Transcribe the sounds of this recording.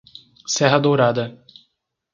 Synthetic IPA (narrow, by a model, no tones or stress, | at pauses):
sɛɦɐd̪owɾad̪ɐ